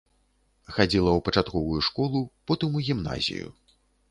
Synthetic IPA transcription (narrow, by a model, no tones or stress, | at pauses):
xad͡zʲilˠɐwpɐt͡ʂat̪kɔvujuʂkɔlˠupɔt̪ɨmuɣʲimna̰zʲḭjṵ